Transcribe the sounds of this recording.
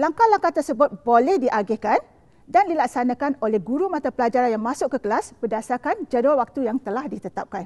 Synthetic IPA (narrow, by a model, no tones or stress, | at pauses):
laŋkalaŋkat̪ərsəbʊt̪̚bolɛhdiʔaɡɛhkan | dandilak̚sanãkanolɛhɡuɾumãt̪apəlad͡ʒaɾanjaŋmãsʊkːəkəlasb̥ərdasarkand͡ʒaduawak̚t̪ujaŋt̪əlahdit̪ət̪ap̚kan